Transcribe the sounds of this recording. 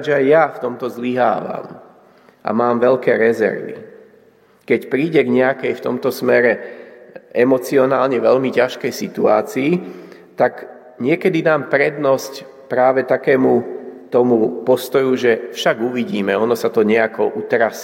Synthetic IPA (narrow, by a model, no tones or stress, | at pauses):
ʒɛajjaft̪ɔmt̪ɔzliɦa̰ːʋa̰m | ʔa̰maːmʋɛʎkɛːɾɛzɛ̰ɾʋḭ | kɛcpɾiːɟɛɡɲɛakɛjft̪ɔmt̪ɔsmɛɾɛ | ʔɛmɔt͡siɔnaːlɲɛʋɛʎmicaʃkɛjsit̪ua̰ːt͡siː | t̪ak | ɲɪɛkɛd̪id̪aːmpɾɛd̪nɔsc | pɾaːʋɛt̪akɛːmut̪ɔmupɔst̪ɔjuʒɛfʃaɡuʋiɟiːmɛɔnɔsat̪ɔɲɛakɔʔut̪ɾas